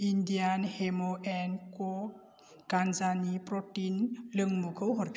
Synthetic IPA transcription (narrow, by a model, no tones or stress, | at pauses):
indijanhemoʔenkɔ | ɡanzanipɾɔtinlɯŋmukʰɯwɦɔɾpʰ